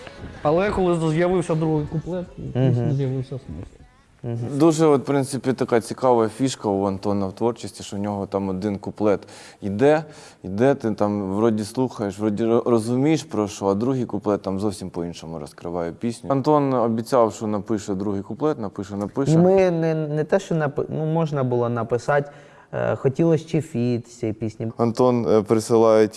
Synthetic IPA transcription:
ɐlˠɛkɔlˠɪzjɐʋɪwsʲɐd̪ɾuɦɪjkʊplˠɛt̪iisnɔzjɐʋɪwsʲɐsmɪsˠ | d̪uʒɛɔt̪pɾɪnt̪sɪpʲit̪ɐkat͡sʲikɑʋɐɐfʲiʃkɐʊɐnt̪ɔnɐwt̪ʋɔrt͡ʃɪsʲtʲiʃt͡ʃɔwnʲɔɦɔt̪ɑmɔd̪ɪnkʊplˠɛt̪ | id̪ɛ | id̪ɛt̪ɪt̪ɑmʋɾɔdʲislˠuxɐjeʃʋɾɔdʲirɔzʊmʲijeʃpɾɔʃt͡ʃɔɐd̪ɾuɦɪjkʊplˠɛt̪ːamzɔwsʲimpɔinʃɔmʊɾɔskɾɪʋɑjɛpʲisʲnʲʊɐnt̪ɔnɔbʲit͡sʲawʃɔnɐpɪʃɛd̪ɾuɦɪjkʊplˠɛt̪nɐpɪʃɛnɐpɪʃiɛmɪnɛnɛt̪ɛʃt͡ʃɔnɐpɪnumɔʒnɐbʊlˠɔnɐpɪsɑtʲ | xɔtʲilˠɔsʲt͡ʃifʲit̪sʲɛipʲisʲnʲiɐnt̪ɔnpeɾesɪlˠɑjetʲ

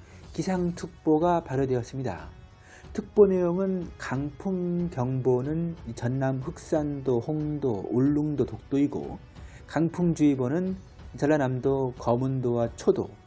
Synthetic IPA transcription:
kisʰaŋtʰɯk̚p͈oɡapaɾjodwe̞ʌs͈ɯmɲida̰ | tʰɯk̚p͈one̞joŋɯnkaŋpʰuŋkjʌŋbonɯnit͡ɕʌnːamɸɯk̚s͈andohoŋdooɭːuŋdotok̚t͈oiɡo̰ | kaŋpʰuŋd͡ʑuibonɯn | t͡ɕʌɭːanamdokʌmundowat͡ɕʰodo̰

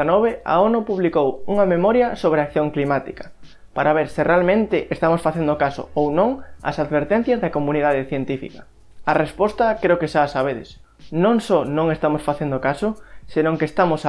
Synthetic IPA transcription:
nɔβea̰onʊpuβlikowuŋɐmemɔɾjɐsoβ̞ɾeakθjoŋklimat̪ikḁ | paɾaβeɾsɪrealmẽnt̪ɪʔest̪amosfaθend̪okasʊ̰ownõŋɐ̰saðβeɾt̪en̟θjɐzðɐkomunið̞aðeθjent̪ifḭkḁ | arespɔst̪ɐkɾeʊokeʃasaβ̞eðɪ̰s | nõŋsɔnõŋest̪amosfaθend̪okasʊsenõŋkest̪amos

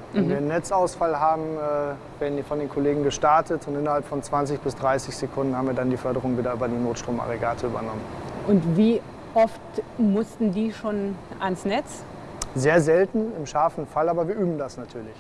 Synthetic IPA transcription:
vɛnviːɐnːɛt͡saʊsfalɦaːbm̩ɛː | veːɐdn̩diːfɔndeːnkʰoleːɡŋ̩ɡəʃtaɐtʰətʊntʔɪnɐhalpfɔnt͡sv̥ant͡sɪçb̥ɪsd̥ʁaɪsɪçz̥ekʰʊndn̩haːbm̩viːɐdandiːfœɐɾəʁ̞ʊŋviːdɐyːbɐdiːnoːtʃtʁ̥oːma̰ʁeɡaːtʰəyːbɐnɔmənʔʊntviː | ʔɔftmʊstn̩diːʃoːnʔansnɛt͡s | zeːɐzɛltn̩ɪmʃaɐfn̩falaːbɐviːɐʔyːbm̩dasnatʰyːɐlɪç

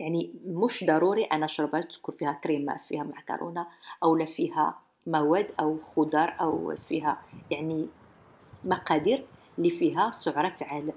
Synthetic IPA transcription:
jaʕnimʊʃd̪ɑɾˤuɾiʔænæʃɾˤbæt̪əd̪̥kʊɾfihækɾimæ̰fihæmaʕkɑ̰ɾˤo̰naʔæwlæfihæ̰ | mæwæd̪ʔæwxʊd̪ɑɾˤʔə̰wfiɦæjaʕni | mɑqɑd̪iɾ | lifiɦæsʊʕɾˤɑt̪ʕal

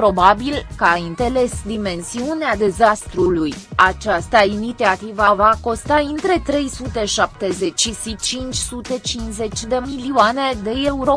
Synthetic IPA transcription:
pɾo̞babilkaaint̪e̞le̞sd̪ime̞nsiunead̪e̞zast̪ɾulujat͡ʃast̪ainit̪iat̪ivavako̞st̪aɨnt̪ɾe̞t̪ɾe̞jsut̪e̞ʃap̚t̪e̞ze̞t͡ʃʲʃisit͡ʃint͡ʃʲsut̪e̞t͡ʃinze̞t͡ʃʲd̪e̞miliuane̞d̪e̞euɾo̞

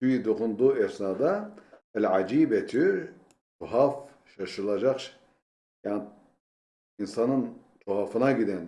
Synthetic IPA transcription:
syjid̪oqund̪uːɛsnad̪aælʕad͡ʒiːbɛt̪ʰy | t̪ʰuɦaf | ʃaʃɯlˠad͡ʒaχʃ | jan | insanɯn | t̪ʰuɦafɯnaɡid̪ɛn

